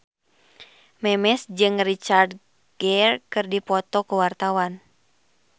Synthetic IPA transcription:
mɛmɛsd͡ʒɨŋrit͡ʃard | ɡ̥ɛrkɨrdipɔt̪ɔkuwart̪awan

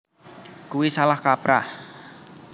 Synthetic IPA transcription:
kuwisalahkapɾa̰h

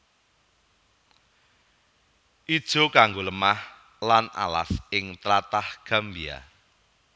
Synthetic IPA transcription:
ʔid̥ʒ̥o̤kaŋɡoləmah | lana̰la̰sɪŋt̪ɾat̪ahɡ̥a̤mbia̰

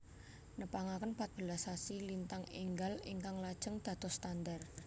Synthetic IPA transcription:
nəpaŋakənpat̪̚b̥əlasasilint̪aŋḭŋɡaliŋkaŋlad̥ʒ̥əŋd̪̥a̤t̪ɔst̪and̪ar

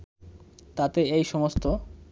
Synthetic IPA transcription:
t̪at̪eejʃɔmost̪o

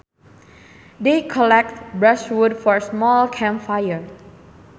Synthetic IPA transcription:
dekʰɔlɛk̚t̚bɹaʃwudfɔɹsmɔlkʰɛ̃mfajəɹ

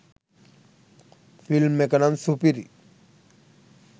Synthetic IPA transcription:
filmːekɐnansupiɾi

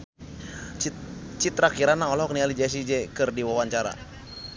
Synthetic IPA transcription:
t͡ʃit̪ɾakiɾanaɔlɔɔk̚nialid͡ʒas̬id͡ʒɛkɨrdiwawaɲt͡ʃaɾa̰

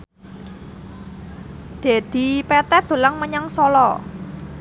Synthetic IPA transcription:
d̪̥e̤d̪̥i̤pɛt̪ɛd̪̥o̤laŋməɲaŋsɔlɔ

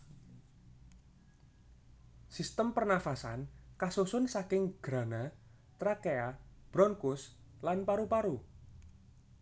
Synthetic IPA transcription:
sist̪əmpərnafasankasusʊnsakɪŋɡ̥ɾa̤na | t̪ɾakeab̥ɾɔŋkʊs | lanpaɾupaɾu

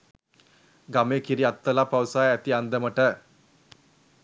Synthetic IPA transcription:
ɡameːkiɾiat̪ːəlapawsaːæt̪iand̪əməʈə

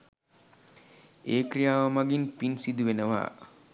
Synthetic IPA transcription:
eːkɾijaːʋamaɡinpinsid̪uʋenəʋa̰ː

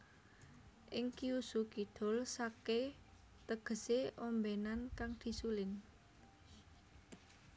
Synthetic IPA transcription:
ʔɪŋkiusukid̪̥o̤lsake | t̪əɡ̥ə̤seɔmbenankaŋd̪̥i̤sulɪn

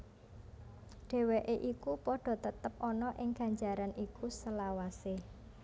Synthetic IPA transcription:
ɖ̥e̤weʔeʔikupɔɖ̥ɔ̤t̪ət̪əp̚ʔɔnɔʔɪŋɡ̥a̤ɲd͡ʒaɾanʔikusəlawase

